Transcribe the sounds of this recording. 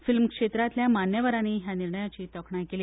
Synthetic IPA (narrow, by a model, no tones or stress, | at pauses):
filmkʂet̪ɾat̪ljamanjəʋəɾañiːɦjaniɾɳəjat͡ɕiːt̪əkʰɳakeliː